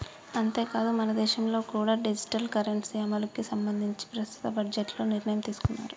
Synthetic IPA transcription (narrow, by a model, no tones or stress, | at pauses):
ɐnt̪e̞ːkaːd̪umɐnɐd̪ɛːʃɐmlo̞ːkuːɽaːɖid͡ʒi̥ʈɐlkɐɾeɳʈsamɐlɐkːisɐmbɐnd̪ʱiɲt͡ʃi̥pɾɐst̪ʰu̥t̪ɐbɐd͡ʒeʈlo̞ːniɾɳɐjɐmt̪iːsu̥kunːa̰ːɾu